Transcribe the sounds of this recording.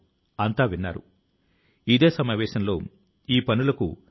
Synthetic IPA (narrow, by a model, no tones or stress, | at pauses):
ɐnt̪aːʋinːa̰ːɾṵ | id̪e̞ːsɐmaːʋɛːʃɐnlo̞̰ː | iːpɐnulɐkṵ